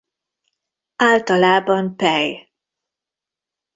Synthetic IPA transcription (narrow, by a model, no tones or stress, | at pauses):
aːlt̪ɒlaːbɒmpɛj